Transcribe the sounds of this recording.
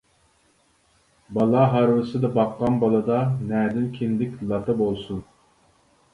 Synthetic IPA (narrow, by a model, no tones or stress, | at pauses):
bɑlˠɑɦɑɾwɨsɨd̪ɑbɑqːɑnbɑlˠɑd̪ɑnæːd̪ɪnkʲʰind̪ɪkʲlˠɑt̪ʰɑbolˠsun